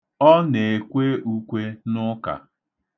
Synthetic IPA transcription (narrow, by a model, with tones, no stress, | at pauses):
ɔ˦ne˨e˨kʷe˦u˦kʷe˦nʊ˦ka̰˨